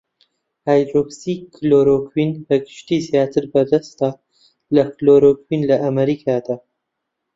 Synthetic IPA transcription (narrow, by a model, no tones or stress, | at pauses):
hajd̪ɾobsiːkʰːloːɾoːkʰwinbɐɡɨʃt̪iːzjaːt̪ʰɨɾbɐɾd̪ɐst̪aː | lɐkloːɾoːkwinlɐʔɐmɐɾiːkʰaːd̪aː